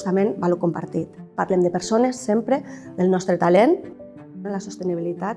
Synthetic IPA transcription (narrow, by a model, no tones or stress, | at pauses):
st̪amẽnbalokompa̰ɾt̪it̪paɾlemd̪əpəɾsonesːempɾeðəlnɔst̪ɾet̪alen | elasost̪eniβ̞ilit̪at̪